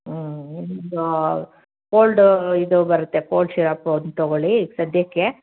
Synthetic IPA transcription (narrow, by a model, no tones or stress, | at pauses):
inːind̪u | koːlɖid̪ubɐɾut̪ːekoːlɖʃiɾaːpːnt̪oɡoɭisɐd̪jɐkːe